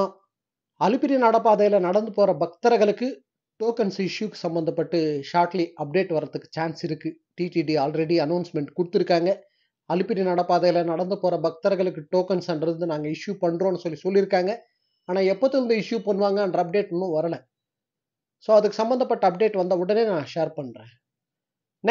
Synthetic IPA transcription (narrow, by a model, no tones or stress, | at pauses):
ɐlɪpːɪɾɪjɐnɐɽɐpaːðɐjɐlɐnɐɽɐnd̪ɯpoːɾɐbɐk̚t̪ɐɾɐɣɐɭɯkːɯ | ʈoːkɐnsɪʂjukːɯ̥sɐmbɐnd̪ɐpːɐʈːɯʂaːɾʈliʔɐp̚ɖeːʈʋɐɾːɐðɯkːɯ̥t͡ʃaːnsɪɾɯkːɯ | ʈiːʈiːɖiaːlɾɛɽiɐnɐːnsmɛɳʈkʊɽɯt̪ːɪɾɯkːaːŋɡɐ | ɐlɪpːɪɾinɐɽɐpaːðɐɣɐɭɐnɐɽɐnd̪ɯpoːɾɐbɐk̚t̪ɐɾɐɣɐɭɯkːɯʈoːkɐnsɐnɖɾɯnd̪ɯnaːŋɡɐɪʂjupɐɳːɾõːnːɯsɔlːisɔlːɪɾɯkːaːŋɡɐ | aːnaːɛpːoːt̪ːɪɾɯnd̪ɐɪʂjupɐɳːɯʋaːŋɡɐɐɳɖɾɐɐp̚ɖeːʈːʊnːũʋɐɾɐlɐ̃ | soːɐðɯkːɯsɐmbɐnd̪ɐpːɐʈːɯɐp̚ɖeːʈʋɐnd̪ɐɔɽɐneːnãːʂeːɾpɐɳːɾḛ̃ː | n